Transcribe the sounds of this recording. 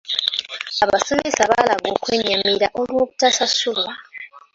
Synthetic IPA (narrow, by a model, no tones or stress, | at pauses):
aβaso̞mesaβalaɡo̞ːkwe̞ːɲamiɾaʔo̞lwo̞ːβutasasulwa